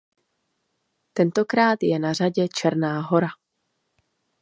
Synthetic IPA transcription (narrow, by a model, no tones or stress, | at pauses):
t̪ɛnt̪o̞kɾaːt̪jɛnar̝aɟɛt͡ʃɛɾnaːɦoɾa